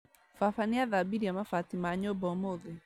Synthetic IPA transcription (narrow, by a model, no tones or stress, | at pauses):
fafaniaðabiɾiamafatimaɲobɔmoðe